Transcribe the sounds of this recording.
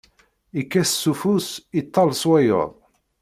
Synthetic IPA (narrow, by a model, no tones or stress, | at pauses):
ikːæssːufusit̪ˤːɑlsˤwæjo̰ðˤ